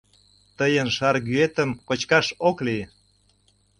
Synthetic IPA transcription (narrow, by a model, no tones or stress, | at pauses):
t̪əjənʃɑɾɣyet̪əmkot͡ɕkɑʃokli